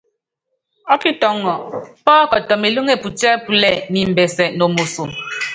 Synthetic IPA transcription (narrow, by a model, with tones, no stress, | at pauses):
ɔ˦ki˦tɔ˦ŋːɔ˨pɔː˦kɔ˨tɔ˨me˨lu˦ŋe˦˨pu˨tɛ˦pu˨lɛ˦˨ni˨m̩˨bɛ˨sɛ˨no˨mo˨su˨m